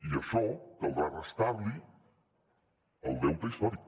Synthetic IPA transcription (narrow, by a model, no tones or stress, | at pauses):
iəʃɔkəlˠdɾarəst̪aβli | əlˠd̪ewt̪əist̪ɔɾi